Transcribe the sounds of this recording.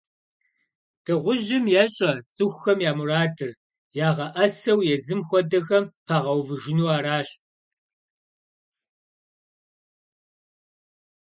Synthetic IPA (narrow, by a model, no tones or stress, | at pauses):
d̥ɨʁʷʊʑɪmjaːɕʼɐt͡sʼɨxʷxɐmjaːmuraːdɨr | jaːʁɐʔɐsɐwjɛzɨmxʷɔdɐxɐmpʰaːʁɐwvɨʒɪnuːaːɾaːɕ